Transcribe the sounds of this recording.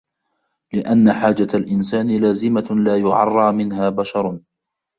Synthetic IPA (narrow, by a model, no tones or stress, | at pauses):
lɪʔanːaħaːd͡ʒaalʔɪnsaːnɪlaːzɪmalaːjʊʕɑ̰rˤːɑːmɪnɦaːbaʃɑɾˤ